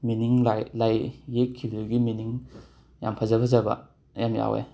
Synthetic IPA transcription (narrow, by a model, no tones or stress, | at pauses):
miniŋlalajːekʰːibɐduɡiminiŋ | ja̰mpʰazabɐzabɐ̰ | jamja̰wḛ